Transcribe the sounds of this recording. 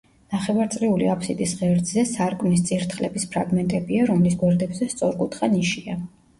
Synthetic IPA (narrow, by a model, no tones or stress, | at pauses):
naχɛvaɾt̪sʼɾiuliapʰsid̪ʼisʁɛvɾd̪zɛsaɾkʼmnist̪sʼiɾt̪ʰχlɛbispʰɾaɡmɛnt̪ʼɛbiaɾɔmlisɡwɛɾd̪ɛbzɛst̪sʼɔɾkʼut̪ʰχaniʃia